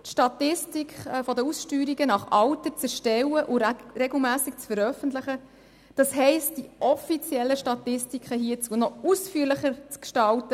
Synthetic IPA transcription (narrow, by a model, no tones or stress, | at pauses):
tʃtɑtɪstikχfɔdəusʃtyːɾiɡənɑχɑltət͡sɛɾʃtɛwəʔʊɾeɡl̩ˠmæːsik̚t͡sfəɾœfəntləχə | d̥ɑsɦɛɪst̚d̥iʔɔfit͡sjɛlːəʃtɑtɪstikχəɦiət͡suənɔusfyːɾləχəɾt͡skʃtɑltə